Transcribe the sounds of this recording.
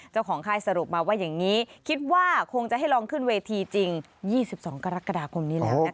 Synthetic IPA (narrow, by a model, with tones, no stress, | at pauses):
t͡ɕa˥˩wkʰɔː˩˦ŋkʰaː˧jsa˧ɾu˨˩p̚maː˧waː˥˩jaː˨˩ŋŋiː˦˥kʰi˦˥t̪̚waː˥˩kʰo˧ŋt͡ɕa˨˩ʔɦa˥˩jlɔː˧ŋkʰɯ˥˩nweː˧t̪ʰiː˧t͡ɕi˧ŋ | jiː˥˩si˨˩p̚sɔː˩˦ŋka˧ɾa˦˥kːa˧daː˧kʰo˧mniː˦˥lː